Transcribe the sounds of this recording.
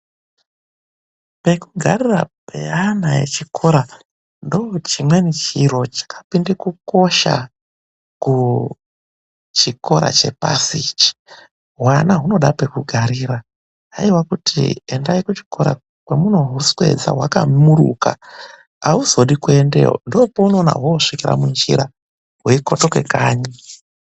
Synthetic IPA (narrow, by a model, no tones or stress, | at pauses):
pe̞kuɡʱarira̰peanaje̞̰t͡ʃikʰo̞ɾa | ndoot͡ʃimwanit͡ʃiro̞t͡ʃḁkʰḁpindekuko̞ʃa̰ | ku | t͡ʃiko̞ɾa̰t͡ʃe̞̰pa̰sit͡ʃi̥ | ɦwanaɦuno̞ɗape̞kuɡʱaɾiːɾa | ɦaiwakutʰḭendaikut͡ʃi̥ko̞ɾa̰ | kwemunoɦuswe̞̰d͡za̰wakamuɾṵka̰ː | uzo̞ɗikwendḛɦo̰ndoːpouno̞ːna̰ɦwoːʂikiɾa̰mund͡ʒḭɾa | weiko̞tokwekaːɲi